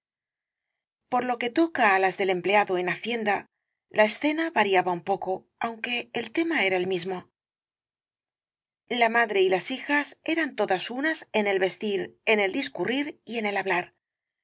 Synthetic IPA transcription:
po̞ɾlo̞ke̞t̪o̞kaːlazðe̞le̞mple̞aðoe̞naθje̞nd̪a | lʔae̞sθe̞naβaɾiaβaumpo̞ko̞ | awŋke̞ːlt̪e̞mae̞ɾae̞lmizmo̞ | lamaðɾe̞ilasixase̞ɾant̪o̞ðasunase̞ne̞lβe̞st̪iɾe̞ne̞ld̪iskuriɾie̞ne̞laβlaɾ

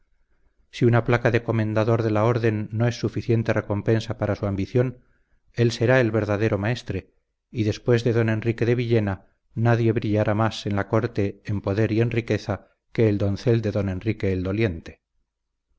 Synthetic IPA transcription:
siunaplakaðe̞ko̞mẽ̞nd̪aðo̞ɾðe̞lao̞ɾðe̞nːo̞e̞sːufiθje̞nt̪e̞re̞ko̞mpe̞nsapaɾasuambiθjo̞n | e̞lse̞ɾae̞lβe̞ɾðaðe̞ɾo̞mae̞st̪ɾe̞ | iðe̞spwe̞zðe̞ðo̞ne̞nrike̞ðe̞βiʎe̞na | naðje̞βɾiʎaɾamase̞nlako̞ɾt̪e̞ːmpo̞ðe̞ɾie̞nrike̞θa | ke̞ːld̪o̞nθeld̪e̞ðo̞ne̞nrike̞ːld̪o̞lje̞nt̪e̞̥

